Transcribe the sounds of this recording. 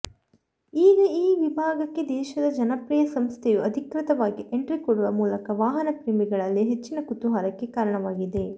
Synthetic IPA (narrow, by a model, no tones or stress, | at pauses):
iːɡɐiːʋibʱaːɡɐkːe̞d̪ɛːʃɐd̪ɐd͡ʒɐnɐpɾiːjɐsɐmst̪ʰejuɐd̪ʱikɾit̪ɐʋaːɡiʔeɳʈɾikɔɽuʋɐmuːlɐkɐʋaːɦɐnɐpɾiːmiɡɐɭɐlːiɦet͡ʃːinɐkut̪uɦaːɾɐkːe̞kaːɾɐɳɐʋaːɡid̪e̞